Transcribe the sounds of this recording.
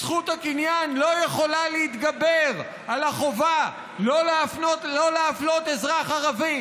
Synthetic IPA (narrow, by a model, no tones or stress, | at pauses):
sχut̪hakinjanlo̞jeχo̞laleit̪ɡabeʁ | alaχo̞va | lolafnotlo̞leaflo̞t̪ezʁaχaʁavi